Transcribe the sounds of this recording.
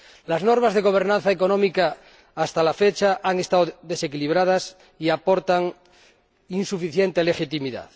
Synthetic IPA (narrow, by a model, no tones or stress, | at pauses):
laznoɾmazðe̞ɣ̞o̞β̞e̞ɾnãn̟θaeko̞nõmikaː | st̪alafet͡ʃaʔaŋe̞st̪aoðe̞se̞kiliβ̞ɾað̞as | iapo̞ɾt̪aŋ | insufiθjent̪e̞le̞xit̪imiða̰ð